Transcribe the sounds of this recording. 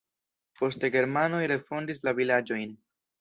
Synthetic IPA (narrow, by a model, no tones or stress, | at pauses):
po̞ste̞ɡe̞ɾmano̞jɾe̞fo̞ndis̬lavilad͡ʒo̞jn